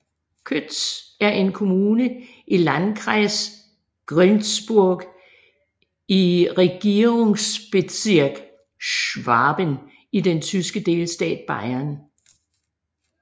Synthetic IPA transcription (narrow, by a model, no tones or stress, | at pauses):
kʰød̥sæɐʔe̝nkʰo̝muːnə | ʔilænkʰʁaɪs | ɡ̥ʁœnsb̥uɐ̰ɡ̥ | iʁɛɡ̥ie̝ŋsb̥e̝siɐ̰ɡ̥ | ʃʋɑ̈ːb̥ən | id̥ent͡sʰysɡ̥əd̥e̝ːlsd̥ɛ̰ːd̥̚b̥ɑ̈ɪɐn